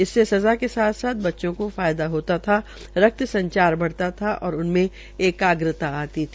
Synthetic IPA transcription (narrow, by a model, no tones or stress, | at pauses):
ɪsːesɐzakesaːt̪ʰsaːt̪̚bɐtːʃõkofaːjd̪aɦoːt̪at̪ʰa | ɾɐk̚t̪sɐ̃ɲt͡ʃaːɾbɐɽ̤t̪at̪ʰaʔɔːɾʊnmẽ | eːkaːɡɾɪt̪aaːt̪it̪ʰi